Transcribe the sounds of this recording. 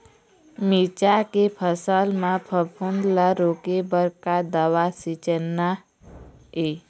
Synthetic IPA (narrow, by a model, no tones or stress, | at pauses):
mit͡ʃakepʰəsəlmãpʰəpʰund̪laɾokebəɾkad̪əʋasit͡ʃənːa | e